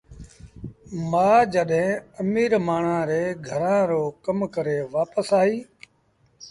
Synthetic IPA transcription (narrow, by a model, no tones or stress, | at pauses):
maːd͡ʒəɗɦẽːəmiːɾmaːɳãːɾeːɡʱəɾãːɾoːkəmkəɾeːʋaːpəsaːɦiː